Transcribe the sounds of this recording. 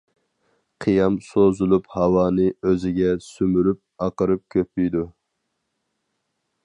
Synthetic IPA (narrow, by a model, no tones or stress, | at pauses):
qʰɨjɑmsozulˠuphɑwɑːnɨøzɪɡʲɛsymyɾyp̚ɑqəɾɨp̚kʲʰøpːijd̪u